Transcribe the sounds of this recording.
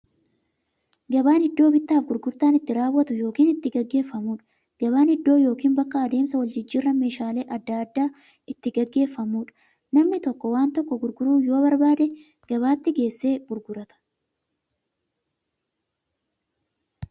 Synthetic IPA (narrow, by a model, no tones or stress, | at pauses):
ɡɐbaːnhɪd̪ːo̞ːbɪt̪ːaːfɡʊɾɡʊɾt̪aːnɪt̪ːɪɾaːwːɐt̪ʊjo̞ːkiːnɪt̪ːɪɡɐɡːe̞ːfːɐmuːᶑɐ̥ | ɡ̥ɐβaːnɪd̪ːo̞ːjo̞ːkiːnbɐkːɐːd̪e̞ːmsɐwɐld͡ʒɪd͡ʒːɪːrːɐme̞ːʃaːle̞ːʔɐd̪ːaɐd̪ːaː | ɪt̪ːɪɡɐɡːe̞ːfːɐmuːᶑɐ̥ | nɐmnɪt̪ɔkːɔwaːnt̪ɔkːɔɡʊɾɡʊɾuːjo̞ːbɐɾbaːd̪ɛ | ɡ̥ɐβaːt̪ːɪɡe̞ːsːe̞ːɡ̥ʊɾɡʊɾɐt̪ɐ̥